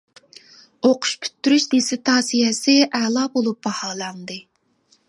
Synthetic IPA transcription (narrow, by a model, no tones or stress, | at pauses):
oqʰʊ̥ʃkʲʰy̥t̪ʰːyɾyʃd̪esɪt̪ʰɑːsijɛsɪʔɛːlˠɑbolˠup̚b̥ɑhɑːlˠɑnd̪ɨ